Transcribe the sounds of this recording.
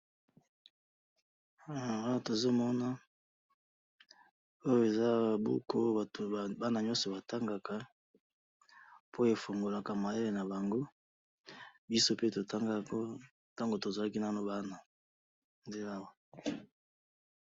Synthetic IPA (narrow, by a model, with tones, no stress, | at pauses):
a˦˨a˦a˨to˨zo˦mɔ˦na˦ | o˦jo˨e˨za˦˨bṵ˦kʰo˦a˨to˨ba˦na˨ɲɔ̃˦sɔ˨ba˨ta˦ŋɡa˨ka˨ | pʰo˦e˨fo˨ŋɡo˨la˨ka˨ma˨je˦le˨na˨ba˨ŋɡo˦ | bi˦so˦pe˦to˨ta˦ŋɡa˦ko˦ | ta˦ŋɡo˨to˨za˨a˦ki˦na˦˨no˦ba˦na˨ | nde˦la˦wa˨